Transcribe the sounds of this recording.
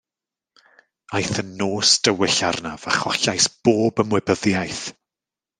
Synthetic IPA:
ajθənːoːsd̥əwɪɬarnav̥aχɔɬajsb̥oːbəmwɛbəðjajθ

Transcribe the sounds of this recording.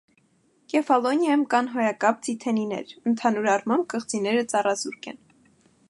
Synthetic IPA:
kɛfɑlɔnjɑjəmkɑnɦɔjɑkɑp̚t͡sʰit̪ʰɛninɛ̰ɾənt̪ʰɑnuɾɑrmɑmb̚kəχt͡sinɛɾət͡sɑrɑzuɾkɛ̰n

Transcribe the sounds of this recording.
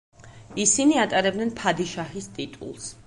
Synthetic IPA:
isiniat̪ʼaɾɛbd̪nɛnpʰad̪iʃahist̪ʼit̪ʼṵlˠs

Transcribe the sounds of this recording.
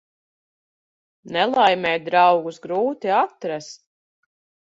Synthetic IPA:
nɛlˠajmʲɛːd̪ɾawɡusɡɾuːt̪iat̪ɾɛs

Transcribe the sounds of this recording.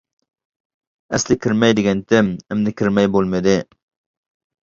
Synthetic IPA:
æslɪkʲʰɪɾmɛjd̪ɪɡʲɛnt̪ʰɪmɪmnɪkʲʰɪɾmɛjbolˠmɪd̪ɪ

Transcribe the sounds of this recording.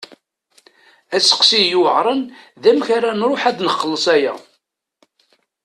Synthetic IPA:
æsə̥qsijuʕɾˤən | ðæmçaɾænɾˤoħæd̪nəχːəlːəsˤæjæ̰

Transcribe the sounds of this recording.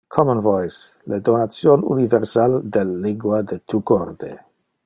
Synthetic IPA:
kʰɔmonvɔjs | led̪onatsjonṵniveɾsald̪elːiŋɡwad̪et̪ʰukoɾd̪ḛ

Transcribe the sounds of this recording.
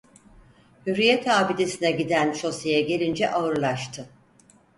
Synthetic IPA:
hyɾijɛt̪ʰaːbid̪e̞sinɛɟid̪ænʃo̞sejɛɟe̞lʲind͡ʒɛʔaɯɾlˠaʃt̪ʰɯ

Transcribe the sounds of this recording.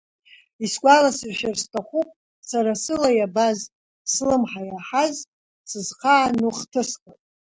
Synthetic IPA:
isɡʷalasɨrʃarstʰaχʷupʼ | saɾasɨlajabaz | slɨmħajaħaz | sɨzqʰaːnuχtʰɨsqʼatʼ

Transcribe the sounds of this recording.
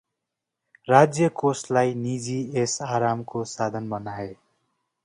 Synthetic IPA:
rad͡zjʌkoslajnid͡ziesaɾamkosad̪ʱʌnbʌnae

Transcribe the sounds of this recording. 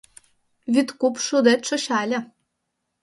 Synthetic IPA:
βyt̪kupʃud̪et̪ʃŏɕɑlʲɘ̆

